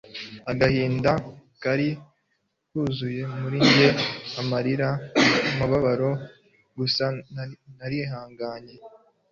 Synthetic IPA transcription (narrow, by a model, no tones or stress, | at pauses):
aɡahiːndakaɾi | kuːzuje̞muɾiɲɟe̞amaɾiɾamaβaβaɾo̞ | ɡusannaɾiɦaːŋɡaːɲe̞